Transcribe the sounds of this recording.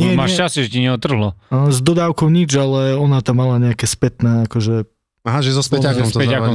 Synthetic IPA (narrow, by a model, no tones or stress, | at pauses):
ɲɪɛmaːʃt͡ʃasɛʒɛciɲɛɔt̪ːr̩ɦlɔzd̪ɔd̪aːʊkɔʊɲid͡ʒalɛɔnat̪amːalaɲɛakɛːspɛt̪nɛːakɔʒɛ | aɦaʒɛzɔspɛaɔmst̪ɛaɔ